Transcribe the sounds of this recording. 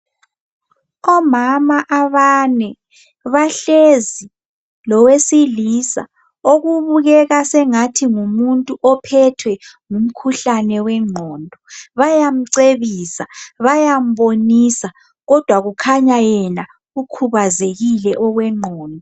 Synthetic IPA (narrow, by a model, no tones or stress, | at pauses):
ɔmamaʔaβanɛ | βaɬezi | lɔwesilisa̰ | oɣuβuɣɛɣasɛŋatʰiŋumuntʼuʔɔpʰɛtʰwɛŋum̩kʰuɬanɛwɛŋ͡ǃʱɔːndʱɔβajam̩ǀeβisaβajam̩ɓonisa | ɣɔd̥ʱwaɣukʰaɲajɛna | ɣukʰuβazeɣilɛʔɔɣwɛŋ͡ǃʱɔːndʱɔ